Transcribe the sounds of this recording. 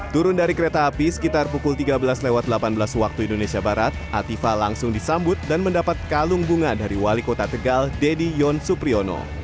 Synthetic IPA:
t̪uɾʊndaɾikəɾet̪aːpisə̥kit̪arpukʊlt̪iɡabəlasdlewat̪̚dəlapanbəlaswak̚t̪uindonesiabaɾat̪̚at̪ifalaŋsʊŋdisambʊt̪̚danməndapat̪̚kaluŋbuŋadaɾiwalikot̪at̪əɡaldedijɔnsupɾiono̰

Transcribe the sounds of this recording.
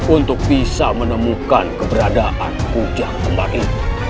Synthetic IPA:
unt̪ʊk̚bisamənəmukankəbəɾadaʔankud͡ʒaŋkəmbali

